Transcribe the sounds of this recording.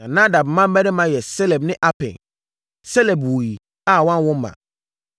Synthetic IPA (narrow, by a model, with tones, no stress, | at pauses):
ã˨nã˦da˨bmã˦m˦mɛ˦nɪ̃˦mã˨jɛ˨sɛ˦lɛ˨bnɪ̃˦ʔa˦pʰɛ̰̃˨n | sɛ˦lɛ˨bwu˨i˨ | a˦˨wã˦n˦wʊ̃˦mːã̰˨